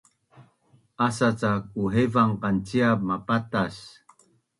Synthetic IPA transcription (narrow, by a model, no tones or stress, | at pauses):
ʔasat͡sak̚uɦevaŋqant͡siab̚mapatas